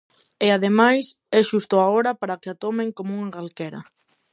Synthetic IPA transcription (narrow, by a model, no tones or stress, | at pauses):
eað̞emajs | ɛʃust̪ʊaoɾɐpaɾakeat̪ɔmẽŋkomuŋaɣalkɛɾɐ̰